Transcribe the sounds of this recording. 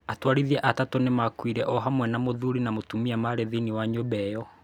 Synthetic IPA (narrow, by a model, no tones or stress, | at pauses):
atwaɾiðiɛʔatatonemakwiɾɛʔɔɦamwɛnamoðuɾinamotumiamaɾeðiniwaɲobɛjɔ